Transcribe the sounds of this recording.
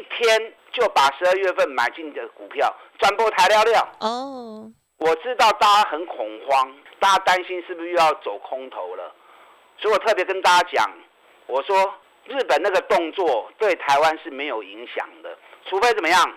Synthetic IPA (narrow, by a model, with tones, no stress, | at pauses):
i˥˩t̪ʰjɛ˥n | t͡ɕjo˥˩ʊpa˨˩ʂɻ̩˧˥ə˥˧ɥɛ˥˧fə˥˨nma̰˨˩ɪt͡ɕi˥˩nd̪ə˨˩ku˨˩pʰjɑ˥˨ʊt͡swa˥npɔ˥˧˩t̪ʰa˧˥ɪljɑ˥˧ʊljɑ˥˨ʊ | wɔ˨˩ʈ͡ʂɻ̩˥t̪ɑ˥˩ʊt̪a˥a˥xə˨˦nkʰʊ˨˩ŋxwɑ˦ŋt̪a˥˧t͡ɕa˦˥t̪a˦nɕi˦nʂɻ̩˥˩bu˨˩ɕy˥˧jɑ˥˩ʊt͡so˨˩ʊkʰʊ˦ŋt̪ʰo˧˦ʊlə̰˨ | swɔ˧˥i˨wɔ˨˩t̪ʰɤ˥˩pjɛ˧˥kə˥nt̪a˥˧t͡ɕa˥t͡ɕjɑ̰˨˩˦ŋ | wɔ˨˩ʂwɔ˥ | ɻ̩˥˩pə˨˩na˥˩ɡə˩t̪ʊ˥˧ŋt͡swɔ˥˨t̪we˥˩ɪt̪ʰa˧˥ɪwa˦nʂɻ̩˥˩me˧˥ɪjo˨˩ʊi˧˥ŋɕjɑ̰˨˩ŋd̪ə̰˦ʈ͡ʂʰu˧˥fe˥ɪt͡sə˨˩mə˦jɑ˥˩ŋ